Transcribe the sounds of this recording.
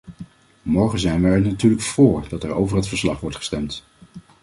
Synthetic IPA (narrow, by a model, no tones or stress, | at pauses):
mɔɹχəzɛjnʋəɛɹnatyːɹləkfʊːɹdɑtɛɹo̰wvəɹɦətfəɹslɑχʋɔɹtχə̥stɛmt